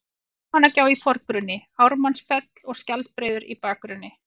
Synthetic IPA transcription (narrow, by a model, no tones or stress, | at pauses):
hanːacaːwifɔɾk̚pɾʏnːɪawɾmansfɛt̪l̥ɔɣscalt̪̚pɾeːjðʏɾḭpaːkɾʏnːɪ